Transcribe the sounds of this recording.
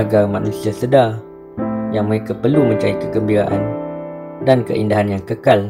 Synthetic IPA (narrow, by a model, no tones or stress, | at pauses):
aɡarmãnũsiasədar | jaŋməɾekapərlumə̃ɲt͡ʃaikəkəmbiɾaʔan | dankə̰ʔḭndaɦanjaŋkəkal